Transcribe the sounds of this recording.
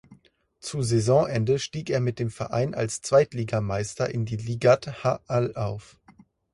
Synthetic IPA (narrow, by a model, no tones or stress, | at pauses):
t͡suzɛzɔ̃ːʔɛndəʃtiːkeːɐmɪt̚d̥eːmfɛɐʔa̰ɪnʔa̰lst͡sv̥aɪtliːɡamaɪstɐʔɪndiːliːɡathaʔalʔaʊf